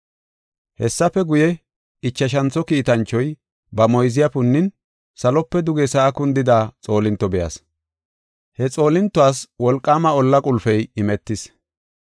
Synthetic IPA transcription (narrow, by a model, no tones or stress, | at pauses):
hɛsːɐfɛɡʊjɛ | ɪt͡ʃːɐʃ̬ɐnt͡sːɔkiːt̪ɐnt͡ʃːɔj | bɐmɔjzɪjapʊnːɪn | sɐlɔpːɛd̪ʊɡɛsɐːkʊnd̪ɪd̪aːt͡sʼo̞ːlɪnt̪ːɔbɛja̰s | hɛt͡sʼo̞ːlɪnt̪ːɔaːswɔlkʼːaːmɐɔlːɐkʼʊlfɛjɪmɛt̪ːɪs